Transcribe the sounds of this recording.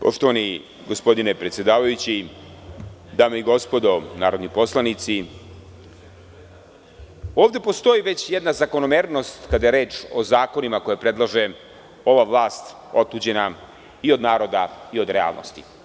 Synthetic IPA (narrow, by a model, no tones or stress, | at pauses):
po̞̰ʃt̪o̞ʋani | ɡo̞spo̞d̪ine̞pɾet̪sje̞d̪aːʋajut͡ɕi | d̪aːmeiɡo̞spo̞d̪o̞naːɾo̞d̪nipo̞slˠanit̪si | o̞ːʋd̪epo̞st̪o̞jiʋe̞t͡ɕjed̪nazako̞no̞meːɾno̞st̪kad̪ajeɾe̞ːt͡ʃo̞zaːko̞nimako̞jepɾe̞d̪lˠaʒe̞ | o̞ʋaʋlaːst̪ | o̞t̪uːd͡ʑe̞na | io̞d̪naːɾo̞d̪aio̞d̪ɾea̰ːlˠnʔo̰st̪i̥